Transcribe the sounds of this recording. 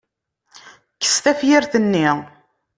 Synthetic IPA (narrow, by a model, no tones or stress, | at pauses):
kːə̥st̪æfjiɾθənːi